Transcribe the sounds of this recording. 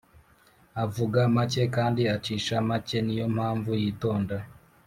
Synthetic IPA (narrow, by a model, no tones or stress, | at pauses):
avuɡamace̞kaːndiat͡ʃiːʃamace̞nijo̞m̥haːɱvujiːto̞ːnda